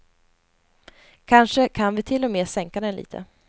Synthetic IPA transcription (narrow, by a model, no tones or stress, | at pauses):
kʰanʂəkʰanvɪt̪ʰɪlːɔmeːsɛŋkad̪ɛnlḭːt̪ʰə̰